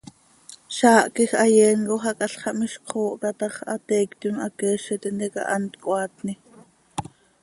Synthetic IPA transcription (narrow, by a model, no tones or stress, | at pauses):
ʃɑːʔkixʔɑjɛːnkoɦɑkʼɑɬχɑʔmiʃqʰoːʔk̪ɑt̪ɑχʔɑ̰t̪ɛːkt̪unʔɑkɛːʃɛt̪ind̪ɛkɑ̰ʔɑnt̪kʼwɑːt̪ni